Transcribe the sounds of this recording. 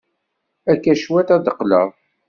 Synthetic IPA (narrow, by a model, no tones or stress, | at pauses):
ækːæʃwæt̪æd̪əqːlə̰ðˤ